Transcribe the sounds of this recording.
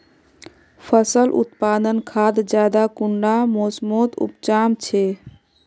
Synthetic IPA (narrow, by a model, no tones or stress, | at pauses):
pʰəsəlʔṵt̪pad̪ənkʰad̪d͡ʒjad̪akuɳɖamosmot̪ṵpt͡ʃamt͡ʃʰe